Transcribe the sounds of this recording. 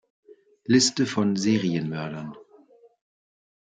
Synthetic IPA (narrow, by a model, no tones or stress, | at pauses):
lɪstəfɔnzeːʁiənmœɐdɐn